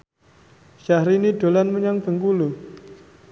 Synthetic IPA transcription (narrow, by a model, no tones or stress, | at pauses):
ʃahɾiniɖ̥o̤lanməɲaŋb̥ə̤ŋkulu